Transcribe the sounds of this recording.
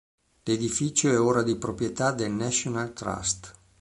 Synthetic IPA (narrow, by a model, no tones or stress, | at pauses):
led̪ifit͡ʃoɛoːɾad̪ipɾopɾjet̪ad̪elnasonalt̪ɾa̰st̪